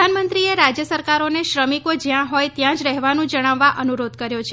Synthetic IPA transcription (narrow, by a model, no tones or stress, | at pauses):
anmənt̪ɾieɾad͡ʒjəsəɾkaɾoneʃɾəmikod͡ʒjãɦɔjt̪jãd͡ʒɾɛɦʋanũd͡ʒəɽ̃aʋːaʔənuɾod̪̚ʱkəɾjot͡ʃʰe